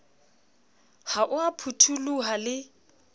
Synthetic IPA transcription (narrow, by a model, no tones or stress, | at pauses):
haʔʊapʰutʰuluɦalɪ